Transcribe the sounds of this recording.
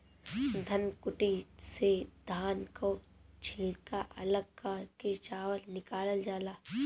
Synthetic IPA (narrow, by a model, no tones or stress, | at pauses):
d̪ʱɐnkʊʈised̪ʱaːnko | t͡ʃʰɪlkaʔɐləɡ̚kaket͡ʃaːʋəlnɪkaːləld͡ʒaːlaː